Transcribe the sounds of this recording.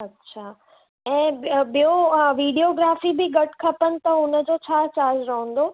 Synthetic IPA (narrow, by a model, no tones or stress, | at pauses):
ɐtːɕʰaː | ɛ̃ːɓijoʋiːɖioɡɾaːfibɪɡɐʈʰkʰɐpənɪ̆t̪ɐʊnəd͡ʑot͡ɕʰaːt͡ɕaːd͡ʑɾɐɦə̃n̆d̪o